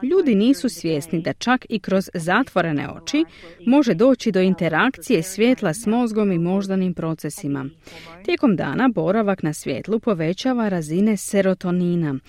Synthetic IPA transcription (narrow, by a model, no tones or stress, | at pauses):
ʎuːd̪iniːsusʋje̞snid̪at͡ʃakikɾo̞zːat̪ʋo̞ɾe̞nḛo̞̰t͡ʃimo̞ʒe̞d̪o̞ːt͡ɕid̪o̞int̪e̞ɾakt̪sije̞sʋʲje̞ːt̪lˠasmo̞zɡo̞mimo̞ʒd̪animpɾo̞t̪se̞sima̰t̪je̞ko̞md̪a̰ːnabo̞ɾaʋaknasʋje̞̰ːt̪lˠupo̞ʋe̞t͡ɕaːʋaɾazine̞se̞ɾo̞t̪o̞niːna